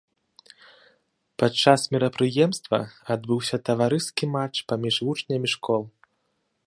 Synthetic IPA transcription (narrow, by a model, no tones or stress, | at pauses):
pat͡ʂːasmʲiɾɐpɾɨjɛmst̪vɐ̰ad̪̚bɨwsʲɐt̪ɐvaɾɨskʲimat͡ʂpamʲiʐvut͡ʂnʲɐmʲiʂkʰɔlˠ